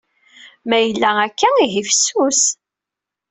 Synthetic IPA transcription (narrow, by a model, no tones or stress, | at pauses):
mæjəlːæækːæiɦifsus